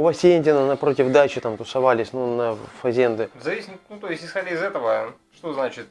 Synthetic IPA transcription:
ʊvɐsʲenʲdʲɪnənɐpɾo̞tʲɪvd̪at͡ɕɪt̪amt̪ʊsɐvalʲɪsʲnunɐfɐzʲend̪ɨzɐvʲisʲɪnut̪ojɪsʲtʲɪsxɐdʲaɪzɛt̪əvə | ʂt̪oznat͡ɕɪt̪

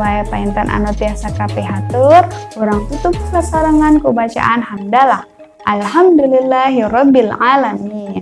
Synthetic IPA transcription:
ajpaint̪anʔa̰not̪iasakapeɦat̪uroɾaŋt̪ut̪up̚sasaɾaŋankəbat͡ʃa̰ʔanhamdalah | ʔalɦamd̪ulilːaɦiɾɔbːilʕalamin

